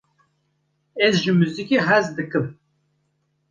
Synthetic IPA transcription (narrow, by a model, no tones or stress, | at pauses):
ɛzʒɨmyzikiɦæzd̪ɨkɨm